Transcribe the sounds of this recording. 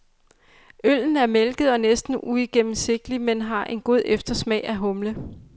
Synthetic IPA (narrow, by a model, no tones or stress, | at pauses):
øl̰n̩æɐmelɡ̥ð̞̩ˠɒ̽nesd̥n̩uiɡ̥em̰m̩se̝ɡ̥̚d̥limenɦɑ̈ʔe̝nɡ̥o̝ð̞̰ˠefd̥ɐsmɛ̰ɪʔæɦɔ̽mlə